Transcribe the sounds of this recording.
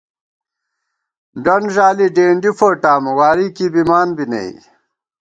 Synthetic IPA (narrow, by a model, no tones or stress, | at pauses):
ɖɐnʑaːliɖeːɳɖifoʈaːmwaːɾikiːbimaːnbinḛḭ